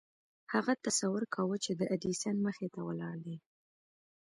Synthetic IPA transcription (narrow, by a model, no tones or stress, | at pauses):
haɣat̪asawʊɾkʰawət͡ʃed̪əʔad̪isanməxet̪awəlɑɽd̪i